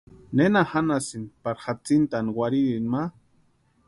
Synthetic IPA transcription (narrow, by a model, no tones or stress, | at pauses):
nenahanasinpaɾxat͡sint̪aniwaɾiɾinma